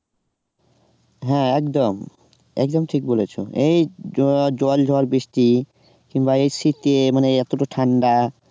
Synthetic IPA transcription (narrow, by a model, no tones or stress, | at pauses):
ɦɛ̃ɛkd̪om | ɛ̰k̚d̪omʈʰik̚bolet͡ɕʰo̰ʔej | d͡ʑɔld͡ʑʱɔɾbeʃʈi | kiŋbaejsit̪emaneɛt̪oʈoʈʰaɳɖa